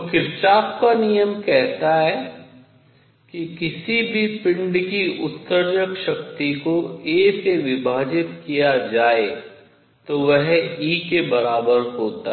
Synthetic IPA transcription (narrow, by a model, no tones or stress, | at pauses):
kɪɾt͡ʃaːpkanijəmkɛɦt̪aɦɛ | kikɪsibʱipɪ̃ɳɖkiʊt̪səɾd͡ʒəkʃɐkt̪ikoeːseʋɪbʱaːd͡ʒɪt̪kijad͡ʒaːe | t̪oʋɛɦiːkebɐɾaːbəɾɦoːt̪a̰